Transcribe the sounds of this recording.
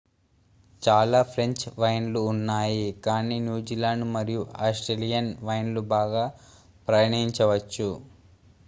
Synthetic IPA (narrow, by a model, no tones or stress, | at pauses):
t͡ʃaːlaːpʰɾe̞ɲt͡ʃʋɐjnluːnːaːjikaːniːnjuːd͡ʒilaːɳɖmɐɾijuaːsʈɾelijɐnʋɐjnlubaːɡaː | pɾɐjɐɳɐiɲt͡ʃɐʋɐt͡ʃːu